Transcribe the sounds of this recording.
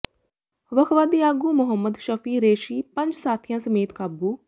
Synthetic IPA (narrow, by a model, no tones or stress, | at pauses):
ʋəkʰʋaːd̪iːaːɡuːmʊɦəmːəd̪ʃəfʰiːɾeːʃiːpə̃ɲd͡ʒsaːt̪ʰɪjãːsəmeːt̪kaːbuː